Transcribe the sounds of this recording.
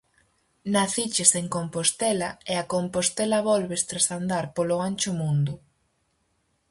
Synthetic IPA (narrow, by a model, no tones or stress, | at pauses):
naθit͡ʃɪseŋkompost̪ɛlaeakompost̪ɛlɐβɔlβest̪ɾasand̪aɾpoloanʲt͡ʃʊmũnd̪ʊ